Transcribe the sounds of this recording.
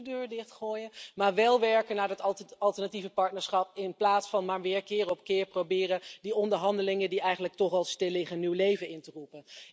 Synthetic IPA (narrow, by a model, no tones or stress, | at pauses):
døːɹdɪχtχoːjəmaːɹʋɛlˠʋɛɹkənaːɹdɑtɑlˠtəɹnativəpɑɹtnəɹsχɑpɪnplaːtsfɑnmaːɹʋɪːɹkɪːɾəɔpkɪːɹprowbɪːrədiɔndəɹɦɑndəlɪŋədiɛjχənlək̚tɔχɑlˠstɪlːɪχənywlejvəɪntərupən